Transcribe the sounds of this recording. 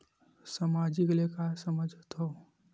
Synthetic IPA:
samad͡ʒiklekasəməd͡ʒʱt̪ɦoː

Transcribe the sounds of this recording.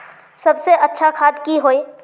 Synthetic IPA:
sɐbseʔɐtːʃʰakʰaːd̪kiɦoːe

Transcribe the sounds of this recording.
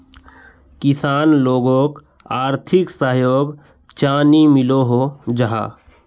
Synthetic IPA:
kɪsaːnloːɡõːk | aːɾt̪ʰɪksəɦjoːɡ | t͡ʃaːnimɪloɦod͡ʒəɦa̰ː

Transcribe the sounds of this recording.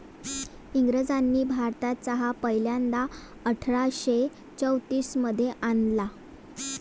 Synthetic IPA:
iŋɡɾəd͡zanːiːbʱaɾt̪at̪t͡saɦapəjljand̪a | əʈʰɾaɕe | t͡səwt̪iːsməd̪ʱːjeʔanla

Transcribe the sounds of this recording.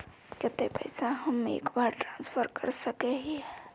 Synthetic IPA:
kɪt̪epə̰ɪsaɦəmːeḛːkbaɾʈɾãːnspʰəɾkəɾsəkeɦiɦɛ

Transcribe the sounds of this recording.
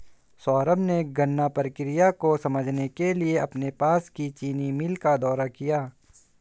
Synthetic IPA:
sɔːɾəbneɡɐnːapəɾəkɾɪjakosɐməd͡ʒʱnekelieɐpnepaːskit͡ʃiːnimɪlkad̪ɔːɾakijaː

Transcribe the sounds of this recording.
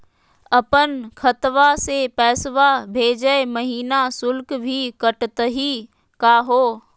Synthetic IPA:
ɐpənkʰət̪ʋasepɛːsʋabʱeːd͡ʒəeməɦiːnasʊlkbʱikəʈt̪əɦi | kaːɦoː

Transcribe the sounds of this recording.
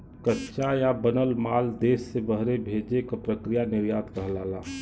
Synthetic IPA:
kətːʃajabənəlmaːld̪eːsːebəɦɾebʱed͡ʒekopɾəkɾijanɪʋjaːd̪kəɦlaːlãː

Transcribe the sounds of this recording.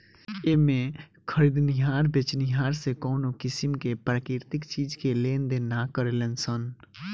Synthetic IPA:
emẽ | kʰəɾid̪nɪɦaːɾbɪt͡ʃnɪɦaːɾsekɔːnokɪsɪmkepɾaːkɪɾt̪ɪkt͡ʃiːd͡ʒkeleːnd̪enakəɾelensən

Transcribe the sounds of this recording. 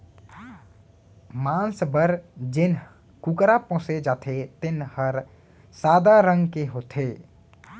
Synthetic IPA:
mãːnsbəɾd͡ʒɪn | kukɾapɔ̃ːsed͡ʒaːt̪ʰet̪ɪnhəɾ | saːd̪aɾə̃ŋɡkeɦoːt̪ʰeː

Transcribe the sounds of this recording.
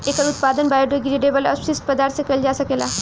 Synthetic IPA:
ekəɾut̪pad̪ənbajɖoɡɾeɖebələ̰sisʈpəd̪aɾt̪sẽkəld͡ʒasəkela̰

